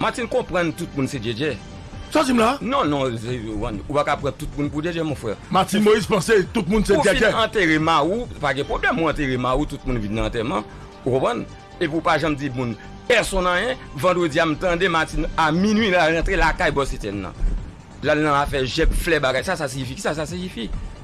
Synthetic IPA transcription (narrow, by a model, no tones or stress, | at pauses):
matinkɔ̃pʁɐ̃ntut̚mũnsed͡ʒed͡ʒɛ | sad͡zim̩lanɔ̃nɔ̃upãnupakapʁãtut̚mũnp̬ud͡ʒed͡ʒɛmɔ̃fʁɛ̰matĩnmojizpɑ̃set̪ut̚mũnsed͡ʒeiɛɐ̃teʁemaupaɡɛ̃pʁoblɛmːũãteʁemawutut̚mũnvinːãːtɛmã | ukɔ̃pɣãn | epiupaʒãmd͡zimũn | pɛsɔ̃nãjɛ̃ | vãdʁød͡ziam̩tãdematinaminɥinalãtʁelakajbɔsetɛnːɐ̰̃ | lanːãafɛʒɛbflɛbaɡajsasaseifiki̥sas̬as̬eifi